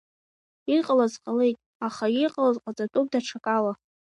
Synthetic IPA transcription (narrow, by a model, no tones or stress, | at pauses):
iqʼalazqʼale̞jtʼ | aχajiqʼalazqʼat͡sʼatʼup̚daʈ͡ʂʰakʼala